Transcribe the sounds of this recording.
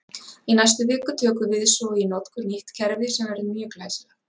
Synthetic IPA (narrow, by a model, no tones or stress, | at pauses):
inajst̪ʏvɪːkʏt̪ʰœːkʏvɪðsɔinɔt̪kʰʏɾniht̪cʰɛɾvɪsɛmvɛɾðʏmjœːʏklaːjsla